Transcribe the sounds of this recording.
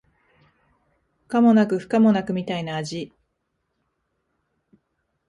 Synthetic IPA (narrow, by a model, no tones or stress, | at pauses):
ɸɸɯ̥kamo̞nakɯ̟ɸɯ̥kamo̞nakɯ̟mʲit̪ainaːʑi